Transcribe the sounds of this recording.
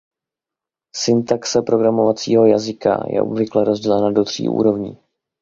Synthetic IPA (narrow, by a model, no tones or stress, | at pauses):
sɪnt̪aksɛpɾo̞ɡɾamo̞vat͡siːɦo̞jazɪka̰jɛ̰ʔobvɪklɛɾo̞zɟɛlɛnado̞d̪r̥ḭːʔṵːɾo̞vɲḭː